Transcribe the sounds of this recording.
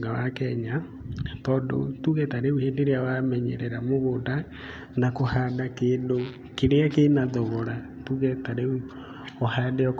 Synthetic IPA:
ɡawakɛɲa | tɔːndo̰tuɣɛtaɾeuheːndeɾeawamɛɲɛ̰ɾɛɾamoɣoda | nakohaːdakeːndo | keɾeakenaðɔɣɔɾa | tuɣɛtaɾeu | ɔhadɛɔk

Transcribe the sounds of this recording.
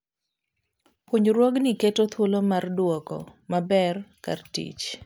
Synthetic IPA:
pwoɲɾwɔɡnɪketot̪ʰwolomardwɔkɔ̰mabɛrka̰rtḭt͡ʃ

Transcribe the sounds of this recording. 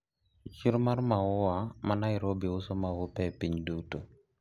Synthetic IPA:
t͡ʃiɾmaɾmawʊwamanaɪɾobiʊsɔmawopɛpiɲduto

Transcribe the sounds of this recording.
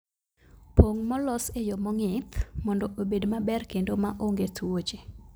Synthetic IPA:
poŋmɔlɔsejɔmɔŋɪt̪mɔndɔʔobedmabɛrkendomaʔoŋɡetwot͡ʃe

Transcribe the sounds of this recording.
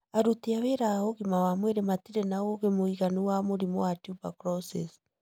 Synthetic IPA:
aɾuteaweɾaoɣimawamweɾematiɾenaoɣemoiɣaniwamoɾimo̰watjupa̰kɾɔsḛs

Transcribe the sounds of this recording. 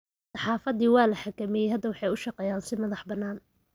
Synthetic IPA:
sɑħɑːfɐðiːwɑːlɐħakʰɐmɛjɛjɦɐd̪ɐwɑħɑjʊʃɑqɛːjaːnsɪmɐðɑħbɐnːaːn

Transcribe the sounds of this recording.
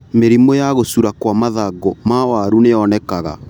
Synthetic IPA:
meɾimojaɣosuɾakwamaðaɡɔmawaɾuneɔnɛkaɣa̰

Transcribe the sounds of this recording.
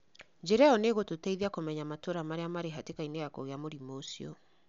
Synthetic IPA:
ɲd͡ʒɛɾɛaɔneɣototɛiðiakomɛɲamatoɾamaɾeamaɾeɦatekaineɣakoɣeamoɾimosiɔ̰

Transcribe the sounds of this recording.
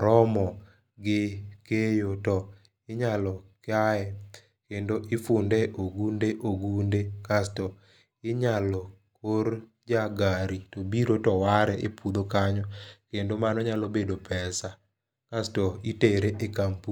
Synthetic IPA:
ɾɔmɔ | ɡɪkejotɔ | ɪɲalɔkɪajɛ | kendoʔɪfʊndɛʔoɡundeʔoɡundekastɔ | ɪɲalɔ | koɾ | d͡ʒaɡaɾitobiɾotɔwaɾɛʔepud̪okaɲɔkendomanɔɲalɔbedopʰɛsa | kastɔiteɾeʔekampu

